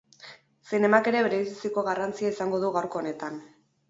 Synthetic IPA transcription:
sine̞make̞ɾe̞βeɾeisisiko̞ɣarant͡siaisaŋɡo̞ð̞uɣawɾko̞ːne̞t̪an

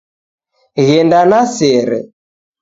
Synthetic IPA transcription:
ɣɛndanasɛɾɛ̰

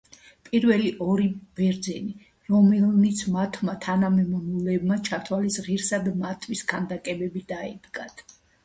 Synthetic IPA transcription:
pʼiɾvɛliʔɔɾib̥ɛɾd̪zɛni | ɾɔmɛlnit̪sʰmat̪ʰmat̪ʰanamɛmɔnulɛbmat͡ʃʰat̪ʰwalisʁiɾsad̪mat̪ʰwiskʰand̪akʼɛbɛbid̪aɛ̰d̪ɡat̪ʰ

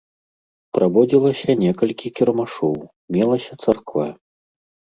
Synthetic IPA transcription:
pɾabɔd͡zʲilˠɐsʲɐnʲɛkɐlʲkʲikʲiɾɐmaʂɔw | mʲɛlˠɐsʲɐt̪sarkva̰

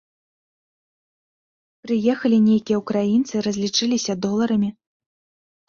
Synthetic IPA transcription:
pɾɨjɛxɐlʲinʲejkʲijɛukɾajint̪sɨɾɐzʲlʲit͡ʂɨlʲisʲɐd̪ɔlˠɐɾɐmʲi

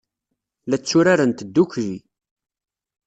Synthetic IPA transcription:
læt͡sːʊɾaɾənt̪əd̪ːukɾi

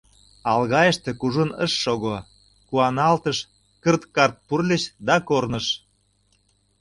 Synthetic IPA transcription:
ɑlɣɑjəʃt̪ĕkuʒunə̰ʃːoɣo | kuɑnɑlt̪əʃ | kərt̪kɑrt̪̚purlʲeʃd̪ɑkornə̆ʃ

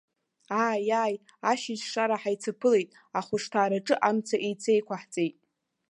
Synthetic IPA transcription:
aːjaj | aʃid͡ʒʂaɾaħajt͡sʰapʰɨlejtʼ | aχʷʊʂtʰaːɾaʈ͡ʂʼɨʔamt͡sʰaʔejt͡sʰejkʷaħt͡sʼejtʼ

